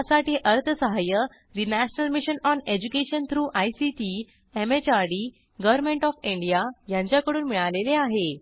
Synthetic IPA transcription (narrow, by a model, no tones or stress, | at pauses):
asaʈiːʔəɾt̪ʰəsəɦajə | d̪inæɕənəlmiɕənɔned͡ʑukeɕənt̪ʰɾuːʔajsiʈi | emet͡ɕaɾɖiː | ɡəʋəɾmẽɳʈɔfĩɳɖijajãɲt͡ɕjakəɽuːnmiɭaleleaɦe